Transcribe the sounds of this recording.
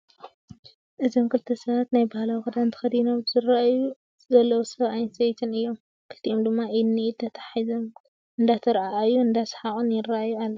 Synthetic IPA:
ʔɨzomkʰɨlt̪ʰɐsɐβat̪najbahlawxɨd̪ant̪ʰɨ̥xɐd̪inowzɨɾaju | zɐlːɐwusɐβajnsejt̪ʰɨnɨjːo̞m | kʰɨlt̪ʰiʔo̞md̪ɨmːaʔɨnːiit̪ʰːɐt̪ʰḁħizom | ʔɨnd̪at̪ʰɐɾaajːuɨnd̪asħaχʼunjɪraʔajːualːɐ

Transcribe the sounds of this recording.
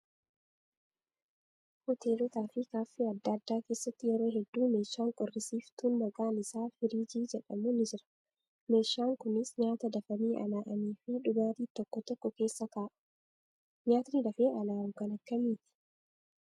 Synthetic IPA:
hɔt̪ʰeːlɔt̪aːfɪkaːfːiːɐd̪ːɐd̪ːaːke̞ːsːɐt̪ːɪjɛɾo̞ːɦɛd̪ːuːme̞ːʃːaːŋkʼɔrːɪsiːft̪uːnmɐɡaːnɪsaːfɪɾiːd͡ʒiːd͡ʒɛᶑɐmʊnɪd͡ʒɪɾɐ̥ | me̞ːʃːaːŋkʊnɪsɲaːt̪ɐd̪ɐfɐniːʔɐ̰naːʔɐniːfɪᶑʊɡaːt̪iːt̪ɔkːɔt̪ɔkːɔke̞ːsːɐkaːʔɐ̥ | ɲaːt̪nilɐfeːʔɐlaːʊkɐnɐkːɐmiːt̪ɪ̥

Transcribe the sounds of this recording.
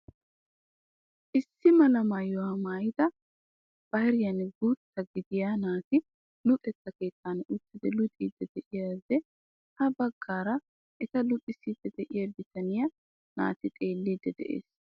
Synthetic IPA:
ʔɪsːɪmɐlɐmajɔwɐmaːjɪd̪ɐ | b̥ɐhɪɾɪjɐnɡut̪ːɐɡɪd̪ɪjaːnaːt̪ɪ | lʊt̪ʼɛt̪ːɐke̞ːt̪ːanʊt̪ːɪd̪ɛlʊt̪ʼiːd̪ːɛd̪ɛʔɪjɐd̪ɛ | hɐbɐɡːaːɾɐ | ʔɛt̪ɐlʊt̪ʼɪsid̪ɛd̪ɛʔɪjɐd̪ɪt̪ɐnɪjɐ | na̰ːt̪ɪt̪ʼe̞ːlːid̪ːɛd̪ɛ̰ʔḛːs

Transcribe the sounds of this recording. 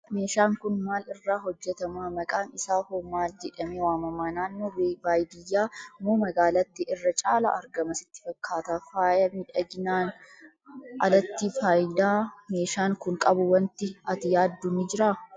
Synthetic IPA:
me̞ːʃaːŋkʊnmaːlɪrːaːɦɔd͡ʒːɛt̪ɐmaːmɐkʼaːnɪsaːfoːmaːld͡ʒɛᶑɐmeːwaːmɐmaːnaːnːoːweːbaːjd̪ɪjːaːmoːmɐɡaːlɐt̪ːɪʔɪrːɐt͡ʃʼaːlɐ̰ʔɐɾɡɐmɐsɪ̥t̪ːɪ̥fɐkːaːt̪aːfaːjɐmɪᶑɐɡɪnaːn | ʔɐlɐt̪ːiːfaːjd̪aːme̞ːʃaːŋkʊŋkʼɐbʊwɐnt̪ːɪɐt̪ɪjaːd̪ːʊnɪd͡ʒɪɾaː

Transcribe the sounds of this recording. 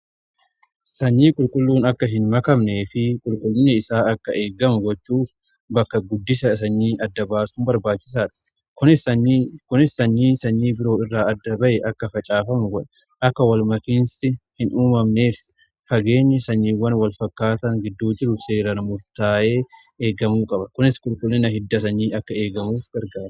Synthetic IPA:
sɐɲːiːkʼʊlkʼʊlːuːnɐkːɐɦɪnmɐkɐmne̞ːfɪkʼʊlkʼʊlːɪnːɛɪsaːɐkːɐʔe̞ːɡɐmʊɡɔt͡ʃːuːf | bɐkːɐɡʊd̪ːɪsɐsɐɲːiːʔɐd̪ːɐbaːsʊnbɐɾbaːt͡ʃːɪs̬aːᶑɐ̥ | kʊ | kʊnɪsːɐɲːiːsɐɲːiːbɪɾo̞ːɪrːaːɐd̪ːɐbɐʔɛʔɐkːɐfɐt͡ʃʼaːfɐmʊɡɔᶑɐ | ʔɐkːɐwɐlmɐkɪnsɪhɪnuːmɐmne̞ːf | fɐɡe̞ːɲːɛsɐɲːiːwːɐnwɐlfɐkːaːt̪ɐŋɡɪd̪ːuːd͡ʒɪɾʊse̞ːɾɐnɐmʊɾt̪aːʔe̞ː | eːɡɐmuːkʼɐbɐkʊnɪskʼʊlkʼʊlːɛnɐɦɪd̪ːɐsɐɲːiːɐkːɐe̞ːɡɐmuːfɡɐɾɡaːɾɐ

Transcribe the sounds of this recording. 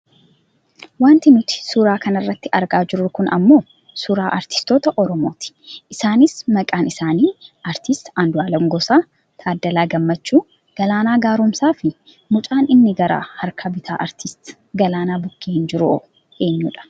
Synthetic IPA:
waːnt̪ɪnʊt̪ɪ̥sʊɾaːkɐnɐrːɐt̪ːɪɐɾɡaːd͡ʒɪɾʊkʊnʔɐ̰mːo̞ː | sʊɾaːʔɐɾt̪ɪ̥st̪o̞ːt̪ɐʔɔɾɔmo̞ːt̪ɪ̥ʔɪsaːnɪsmɐkʼaːnɪsaːniːʔɐɾt̪ɪst̪ɐnd̪ʊaːlɐmɡɔsaː | t̪ʰaːd̪ːɐlaːɡɐmːɐt͡ʃːuː | ɡ̥ɐlaːnaːɡaːɾʊmsaːfɪ | mʊt͡ʃʼaːnɪnːɪɡɐɾa̰ːhɐɾkʰɐbɪt̪ʰa̰ːʔɐɾt̪ʰɪst̪ | ɡɐlaːnaːbʊkːeːhɪnd͡ʒɪɾʊo | eːɲːuːᶑɐ̥

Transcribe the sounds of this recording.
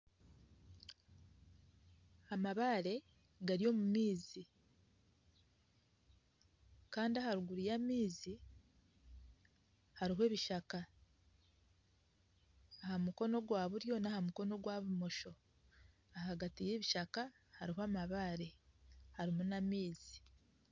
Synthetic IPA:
amaβaːɾe̞ | ɡaɾio̞ːmumiːzi | kaːndiahaɾuɡuɾijamiːzi | haɾiɦwe̞ːβiʃaka | hamuko̞no̞ɡwaːβuɾjo̞nahamuko̞no̞ɡwaːβumo̞ʃo̞ | aɦaɡatije̞ːβiʃaka | haɾiɦwaːmaβaːɾe̞haɾimunamiːzi

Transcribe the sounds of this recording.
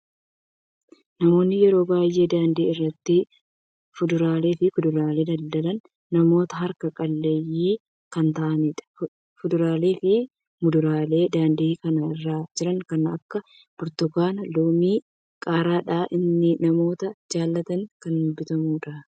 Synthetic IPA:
nɐmo̞ːnːɪjɛɾo̞ːbaːjːe̞ːd̪aːnd̪iːɪrːɐt̪ːɪ | fʊd̪ʊɾaːle̞ːfɪfʊd̪ʊɾaːle̞ːd̪ɐld̪ɐlɐnː | ɐmo̞ːt̪ɐɦɐɾkɐkʼɐlːejiː | kɐnt̪ɐʔɐniːᶑɐ̥ | fʊd̪ʊɾaːleːfɪ | mʊd̪ʊɾaːle̞ːd̪aːnd̪iːkɐnɐɪrːaːd͡ʒɪɾɐŋkɐnɐkːɐ | b̥ɔɾt̪ɔɡaːnɐloːmiː | kʼaːɾaːᶑaːʔɪnːɪnɐmo̞ːt̪ɐd͡ʒaːlːɐt̪ɐŋkɐnːʊbɪt̪ɐmuːᶑa

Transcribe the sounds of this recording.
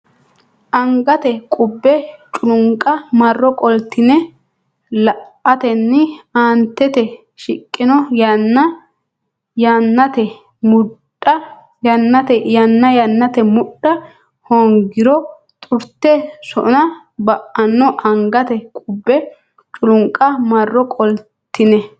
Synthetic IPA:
ʔɐŋɡɐt̪ɛkʼʊbːɛt͡ʃʼʊlʊŋkʼɐmɐrːɔkʼɔlt̪ːɪnɛ | lɐʔɐt̪ɛnːɪaːnt̪ːɛt̪ɛ | ʃɪkʼːɪnɔjɐnːɐ | jɐnːɐt̪ɛ | mʊɗɐ | jɐnːɐt̪ɛjɐnːɐjɐnːɐt̪ɛmʊɗːɐ | hɔŋɡɪɾɔ | t̪ʼʊɾt̪ːɛsɔ̰nɐ | bɐʔɐnːɔʔɐŋɡɐt̪ɛkʼʊbːɛ | t͡ʃʼʊlʊŋkʼːɐmɐrːɔkʼɔl | t̪ːɪnɛ

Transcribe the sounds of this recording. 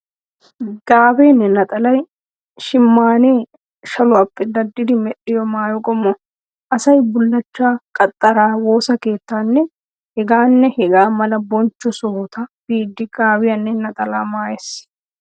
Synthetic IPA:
ɡ̥aːbeːnːɛnɐt̪ʼɐlɐj | ʃɪmːaːneː | ʃɐlʊɐpːɛd̪ɐd̪ːɪd̪ɪmɛɗɪjɔmaːjɔkʼɔmːɔ | ʔɐsɐjbʊlːɐt͡ʃːaːkʼɐt̪ʼːɐɾaːwo̞ːsɐke̞ːt̪ːaːnːɛ | hɛɡaːnːɛhɛɡaːmɐlɐbɔnt͡ʃːɔsoːt̪ɐb̥iːd̪ːɪɡ̥aːbɪjɐnːɛnɐt̪ʼɐlaːmaːjɛs

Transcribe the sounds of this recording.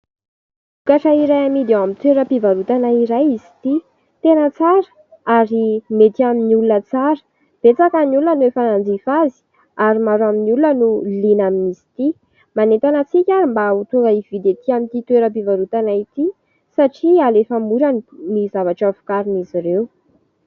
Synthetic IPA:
ukaʈ͡ʂaiɾajamid̪ewamint̪weɾəpivaɾut̪anaiɾajizi̥t̪i | t̪enət͡saɾə̥ | aɾimet̪iaminiulunət͡saɾə̥ | b̥et͡sakaniulunənuefanand͡zifazi̥ | aɾimaɾaminiulunənulinaminizi̥t̪i | manet̪anət͡sikʲaimbaut̪uŋɡaivid̪et̪iamint̪it̪weɾəp̬ivaɾut̪anait̪i | saʈ͡ʂialefəmuɾənnizavaʈ͡ʂavu̥kaɾiniziɾew

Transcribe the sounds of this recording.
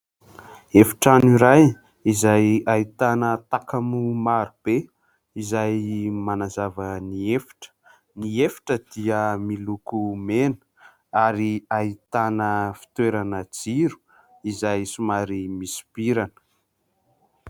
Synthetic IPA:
efi̥ʈ͡ʂaniɾaj | izajait̪anət̪akamumaɾub̥e | izajmanazavəniefi̥ʈ͡ʂə̥ | niefi̥ʈ͡ʂəd̪̥iəmilukumenə̥ | aɾiait̪anəfi̥t̪weɾanəd͡ziɾu̥ | izajsumaɾimisi̥piɾanə̥

